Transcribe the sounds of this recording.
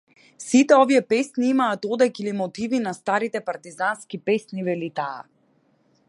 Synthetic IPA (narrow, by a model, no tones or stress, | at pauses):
sit̪ɛɔvijɛpɛsniimaːt̪ɔd̪ɛkilimɔt̪ivinast̪aɾit̪ɛpaɾt̪izanskipɛsnivɛlit̪a̰ː